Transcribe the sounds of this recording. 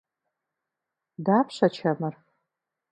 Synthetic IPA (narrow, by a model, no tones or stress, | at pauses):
daːpʰʂɐt͡ʃʰɐmɨr